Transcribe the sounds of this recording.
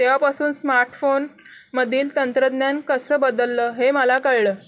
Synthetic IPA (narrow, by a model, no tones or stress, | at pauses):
t̪japasuːnsmaɾʈfon | məd̪ʱiːlt̪ənt̪ɾəd̪njankəsəːbəd̪əlːəːɦeməlakəɭləː